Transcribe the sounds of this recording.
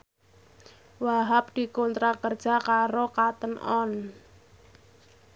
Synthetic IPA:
waɦap̚d̪̥i̤kont̪ɾakərd̥d͡ʒ̥a̤kaɾokat̪ənʔɔn

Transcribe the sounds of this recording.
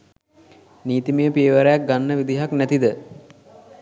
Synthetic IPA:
niːt̪iməjəpieʋəɾəjak̚ɡanːəʋid̪iɦaknæt̪id̪ə

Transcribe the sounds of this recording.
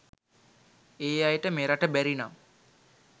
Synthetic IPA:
eːajəʈəmeɾaʈəbæɾina̰m

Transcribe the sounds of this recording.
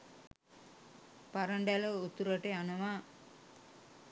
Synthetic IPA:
pɐɾɐɳɖalɐut̪ːuɾɐʈeɐnɐʋaː

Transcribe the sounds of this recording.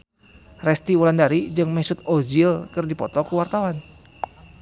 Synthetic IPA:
rɛst̪iulandaɾid͡ʒɨŋmɛsʊt̪̚od͡ʒilkɨrdipɔ̰t̪ɔkuwart̪awan

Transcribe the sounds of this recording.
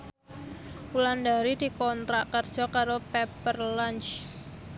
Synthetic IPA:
ulandaɾid̥i̤kɔnt̪ɾaʔkərd̥ʒ̥ɔ̤kaɾopɛpərlant͡ʃ

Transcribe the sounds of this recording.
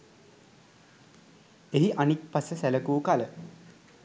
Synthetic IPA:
eɦiʔanik̚pasəsæləkuːkalə

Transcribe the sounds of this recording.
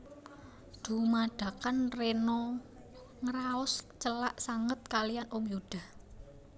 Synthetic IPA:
d̪̥ṳmaɖ̥ä̤kanrenɔ | ŋəɾaʊst͡ʃəlaʔsaŋət̪̚kalijanʔɔŋjud̪̥a̤h

